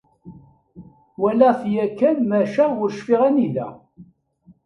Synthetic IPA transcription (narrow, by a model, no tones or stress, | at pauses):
wælæθjækːænmæʃæʊɾʃfiʁænilæ̰